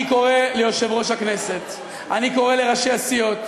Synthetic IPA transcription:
iko̞ʁelejo̞ʃe̞vʁo̞ʃhakne̞se̞t̪ | ʔaniko̞ʁe̞le̞ʁaʃeasijo̞t̪

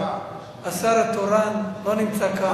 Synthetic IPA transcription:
asaɾat̪oɾanlonimt͡saka

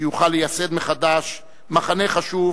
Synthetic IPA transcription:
juχalːejase̞d̪meχad̪aʃ | maχaneχaʃuv

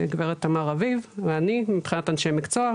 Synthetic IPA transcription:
eɡveʁetamaʁavivveanimipχinatanʃemikt͡soa

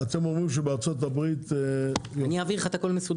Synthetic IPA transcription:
at̪emomimʃebeaʁt͡sot̪̬abʁit̪eaniaːviʁeχat̪ako̞lmesud̪

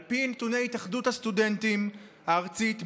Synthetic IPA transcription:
lpinet̪unejit̪aχd̪ut̪hast̪ud̪ent̪imhaːʁt͡sit̪

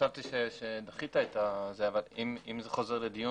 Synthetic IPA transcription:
ʃavt̪iʃeʃed̪aχit̪ait̪azeavalimimzeχo̞ze̞ʁled̪iju

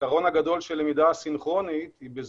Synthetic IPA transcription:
aʁo̞naɡad̪o̞lʃelemid̪asinχʁo̞nit̪ibez

